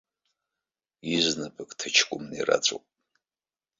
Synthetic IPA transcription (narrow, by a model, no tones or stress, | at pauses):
iznɨpʰɨkʼtʰɨt͡ʃʰkʷʼʊmnira̰t͡sʷʼo̰pʼ